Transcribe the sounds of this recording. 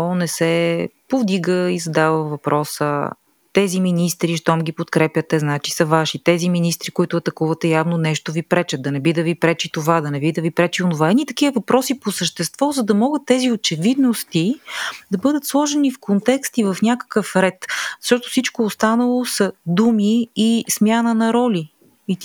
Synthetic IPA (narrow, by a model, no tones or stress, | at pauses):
onɛsɛpovd̪iɡəizɐd̪avəvɐpɾɔsə̰ | t̪ɛziminist̪ɾiʃt̪ɔmɡʲipot̪kɾɛpjət̪ɛznat͡ʃi̥sɐvaʃit̪ɛziminist̪ɾikoit̪ʊɐt̪ɐkuvɐt̪ɛjavnonɛʃt̪ovipɾɛt͡ʃət̪̚d̪ɐnɛbid̪ɐvipɾɛt͡ʃit̪ovad̪ɐnɛbid̪ɐvipɾɛt͡ʃionovaɛnʲit̪ɐk̟ivəvɐpɾɔsiposəʃt̪ɛst̪vɔzɐd̪ɐmɔɡət̪ːɛziot͡ʃɛvid̪nost̪id̪ɐbɤd̪ət̪slˠɔʒɛnifkont̪ɛkst̪ivɐfnʲjakə̥kəfɾɛt̪zə̥ʃɔt̪o̥fsit͡ʃkoːst̪anəlˠosɐd̪umiːsmʲjanənɐɾɔlʲi | i